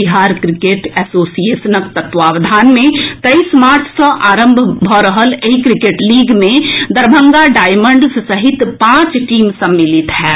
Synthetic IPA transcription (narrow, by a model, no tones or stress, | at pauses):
iɦaːɾkɾɪkeːʈɛːsoːsijeːsənək̚t̪ət̪ʋaːʋd̪ʱaːnmẽt̪ɐismaːɾt͡ʃʰsə̃ʔaːɾə̃mbʱbʱɔɾəɦəleikɾɪkeːʈliːɡmẽd̪əɾbʱə̃ŋɡaɖaːɪmə̃ɳɖssɐɦɪt̪pãːt͡ʃʈiːmsɐmːɪlɪt̪ɦɛː